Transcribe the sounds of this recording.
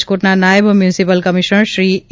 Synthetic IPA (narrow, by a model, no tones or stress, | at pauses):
t͡ʃkoʈnanaːɪbmjuːnɪsipəlkɐmɪʃənʃɾiː